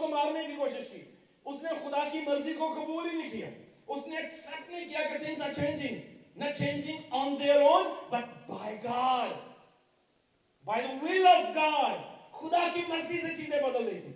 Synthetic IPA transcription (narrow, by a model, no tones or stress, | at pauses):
komaːɾnẽkikoːʃɪʃkḭː | ʊsnexʊd̪akimɐɾzikokɐbuːlinĩkija̰ː | ʊsneksɐʈneĩkijaked̪ɪ̃nsat͡ʃẽːnd͡ʒɪ̃ŋnɐt͡ʃʰẽːnd͡ʒɪ̃ŋɔ̃ːnd̪eːɾoːdbɐʈ̚bʱaːɪɡaːɾ | baːɪwilɐfɡaːɾxʊd̪akimɐɾziset͡ʃiːzẽbɐd̪əlːẽt̪ʰḭː